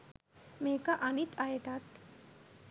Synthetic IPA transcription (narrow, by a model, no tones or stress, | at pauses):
mekaʔanit̪aɦet̪at̪